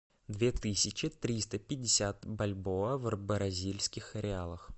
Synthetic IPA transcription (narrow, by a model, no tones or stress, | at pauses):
d̪vʲet̪ɨsʲɪt͡ɕɪt̪ɾʲist̪əpʲɪdʲːɪsʲat̪bɐlʲboəvrbəɾɐzʲilʲskʲɪxɐɾʲɪalˠəx